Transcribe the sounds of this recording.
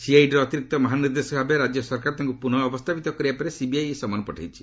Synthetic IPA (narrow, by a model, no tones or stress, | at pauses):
siajʈɾɔt̪iɾik̚t̪ɔmɔɦaniɾd̪esɔbʱabeɾad͡ʒjɔsɔɾkaɾt̪ʰiŋkupunɔːbɔst̪ʰabit̪ɔkɔɾiapɔɾesibiajesɔmanɔpɔʈʰajt͡ʃʰi̥